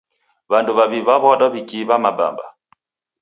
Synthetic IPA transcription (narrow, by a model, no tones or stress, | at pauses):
βanduβaβiβaβɔɗɔβikiβamaba̰mba̰